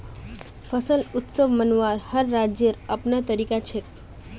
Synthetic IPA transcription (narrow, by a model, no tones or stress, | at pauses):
fʰəsəlʊt̪səʋmənʋaɾhəɾːad͡ʒjəɾapnat̪əɾikat͡ʃʰe